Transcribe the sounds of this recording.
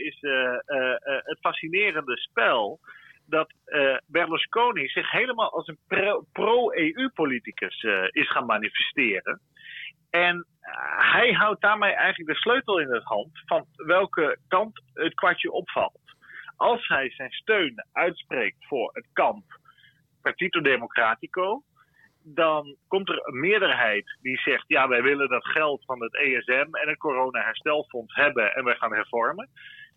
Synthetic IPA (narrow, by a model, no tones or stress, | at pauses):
ɪs | ətfasinɪːrəndəspɛlˠdɑtbɛrlɔskoːnisɪχɦejləmaːlˠʔɑlˠsənproweːypolitikəsɪsχaːnmanifɛstɪːrə̰n | ɛn | hɛjɦawt̚daːɹmejʔɛjŋχələk̚dəsløɥtəl̩ˠɪnətɦɑntfɑnʋɛlˠkəkɑntətkʋaɹtjəʔɔpfɑ̰lˠt | ʔɑlˠsɦɛjzɛjnstøɥnʔœɥtspreːk̚tfʊːɹətkɑmp | parɹtitodemokraːtikow | dɑnkɔmtərənmɪədərɦɛjtdisɛχtjaːʋɛjʋɪləndɑtχɛlˠtfɑnətejɛsɛmɛnət̚koːrownaɦɛɹstɛlˠfɔnsɦɛbənʔɛ̰nʋɛjχaːnɦɛɹfɔɹmə